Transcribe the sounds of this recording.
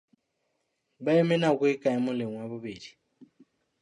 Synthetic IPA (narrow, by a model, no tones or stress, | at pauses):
baɛmɛnakwɛkʼaɛmʊleŋwaβubeːdi̥